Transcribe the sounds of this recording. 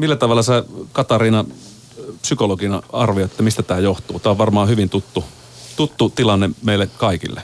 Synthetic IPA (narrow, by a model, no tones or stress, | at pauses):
milːæt̪ɑʋɑlːˑɑsekɑt̪ɑriːnɑ | psykoloɡinɑɑrʋioet̪ːæmist̪æt̪æːjoht̪uːt̪æːoʋʋɑrmɑːhyʋint̪ut̪ːu | t̪ut̪ːut̪ilɑnːemeilːekɑikḭlːḛ